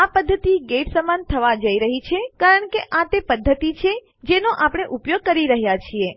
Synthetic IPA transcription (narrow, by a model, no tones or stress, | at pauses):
apəd̪ʱːət̪iɡeʈsəmant̪ʰəʋad͡ʒəiɾəɦit͡ʃʰekaɾəɳkeʔat̪epəd̪ʱːət̪it͡ʃʰe | d͡ʒenoʔapɽ̃eʔupjoɡ̚kəɾiɾəɦjat͡ʃʰie